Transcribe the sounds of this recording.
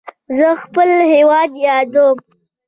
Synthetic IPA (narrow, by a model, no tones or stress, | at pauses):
zəxpəlhewɑd̪jɑd̪əm